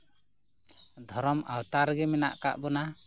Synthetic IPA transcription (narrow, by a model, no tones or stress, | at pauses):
d̪ʱɔɾɔmawt̪aɾɡɛmɛna̰ʔka̰ʔbɔna